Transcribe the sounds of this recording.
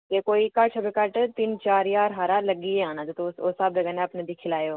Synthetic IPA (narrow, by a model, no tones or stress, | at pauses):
k̪ekoːikɐʈʰbekɐʈt̪ɪnt͡ʃaːɾjaːɾɦaːɾaləɡiːeãːnãːd̪et̪osoːsɐbd͡ʒɐɡəneɐpnẽd̪iːkʰɪlaːjoː